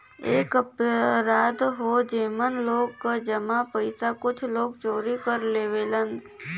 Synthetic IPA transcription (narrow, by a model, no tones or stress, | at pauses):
eːkəpɾaːd̪ɦod͡ʒeːmənloːɡkad͡ʒəmapəɪsakʊt͡ʃʰloːɡt͡ʃoːɾikəɾleːʋeːlənd̪